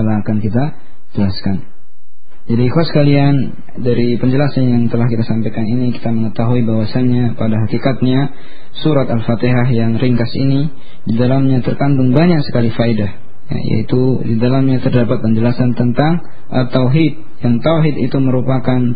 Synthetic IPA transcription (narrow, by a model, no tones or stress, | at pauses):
alaːkankit̪a | d͡ʒəlaskan | d͡ʒadikuasə̥kalian | daɾipəɲd͡ʒəlasanjaŋt̪əlahkit̪asampajkaniniki̥t̪aməŋət̪aɦuibawasaɲapadaɦakikat̪̚ɲa | suɾat̪alfat̪eɦaɦjaŋriŋkasini | didalamɲat̪ərkant̪ʊŋbaɲaksə̥kalifaidah | ja̰ja̰ḭt̪udidalamɲat̪ərdapat̪̚pəɲd͡ʒəlasant̪ənt̪aŋ | ʔat̪ːawɦit̪̚jaŋt̪awɦit̪ḭt̪uməɾupakan